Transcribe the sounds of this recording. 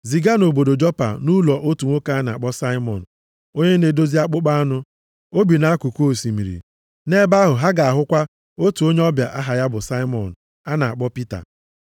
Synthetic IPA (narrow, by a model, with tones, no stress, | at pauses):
zi˨ɡa˦no˨bo˨do˨d͡ʒɔ˦pa̰˨nu˦lɔ˨ʔo˦tu˨ŋʷo˦ka˦a˦na̰˨a˨k͡pɔ˦sa˦ɪ˦mɔ̰˨n̩˨ | o˦ɲe˦ne˨do˦zi˦a˦k͡pʊ˦k͡pa˦a˦nʊ˦ | o˦bi˨na˨˦a˦ku˨ko˦˨si˨mi˨ɾḭ˨ | ne˦ba˦ɦʊ˨ɦa˦ɡa˨a˨ɦʊ˦kʷa˦ | o˦tu˨o˦ɲe˦ɔ˦bja̰˨ʔa˦ɦa˨ja˦bʊ˨sa˦ɪ˦mɔ̰˨n̩˨ | a˦na˨a˨k͡pɔ˦pi˦ta̰˨